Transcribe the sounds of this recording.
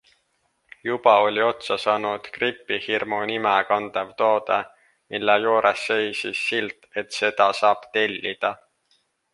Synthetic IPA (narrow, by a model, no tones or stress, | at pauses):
jub̥ɑo̞lʲio̞t̪sɑsɑːnud̪̥kripːˑihirmonimɛkɑnd̪̥ɑvt̪o̞ːd̪̥e | mʔilːejuːɾʔesːe̞jsisːilt̪ˑe̞t̪se̞d̪̥ɑsɑːb̥t̪e̞lʲːid̪̥ɑ